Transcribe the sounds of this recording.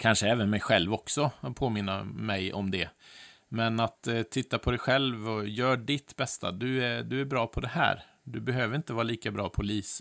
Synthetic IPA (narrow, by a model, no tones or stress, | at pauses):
kʰanʂəɛːvənmɛjɧɛlvɔksɔpʰoːmɪnːa̰mɛjɔ̰md̪ɛmɛnat̪t̪ʰːɪt̪ːapʰɔd̪ɛjɧɛlvɔjœːɖɪt̪bɛst̪a̰d̪ɵæd̪ɵæɾbɾɑːpʰɔd̪ɛhæ̰ːɾ | d̪ɵbɛɦøːvəɾɪnt̪əvɑːɾaliːkabɾɑːpʰɔliːs